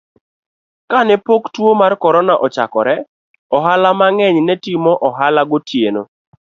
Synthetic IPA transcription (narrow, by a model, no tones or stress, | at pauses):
kanɛpoktwomarkɔɾɔnaʔɔt͡ʃa̰kɔɾɛ | ɔɦalamaŋɛɲnɛtimɔʔɔɦalaɡotʰjeno